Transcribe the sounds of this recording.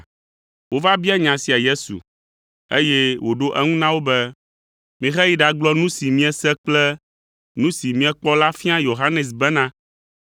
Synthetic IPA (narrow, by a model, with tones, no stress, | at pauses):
wo˦va˦bi˦ɛ˦ɲã˨si˨a˨je˦sṵ˨ | e˦jɛ˦wo˨ɖo˦ʔɛ˦ŋũ˦nã˦wo˦bɛ˦ | mĩ˨xɛ˦ji˦ɖa˨ɡ͡blɔ˦nũ˦si˨mĩ˦ɛ˦sɛ˦k͡plɛ˦ | nũ˦si˨mĩ˦ɛ˦k͡pɔ˦la˦fĩ˦ã˦jo˨ɦa˦nɛ˨s̬bɛ˦nã˦